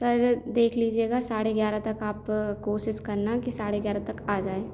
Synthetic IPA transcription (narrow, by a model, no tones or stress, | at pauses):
sɐɾd̪eːkʰliːd͡ʒieːɡasaːɽeɡjaːɾat̪ɐkaːpkoːʃɪskɐɾnakisaːɽeɡjaːɾat̪ɐkaːd͡ʒaːeː